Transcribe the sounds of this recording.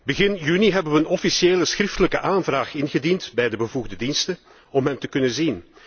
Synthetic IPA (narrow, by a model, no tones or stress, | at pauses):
bəɣɪnjyniɦɛbəʋəənɔfisjeːləsxɾɪftələkəʔaːnvraːχɪnɣədintbɛjdəbəvuɣdədinstə | ɔmɦɛntəkɵnənzin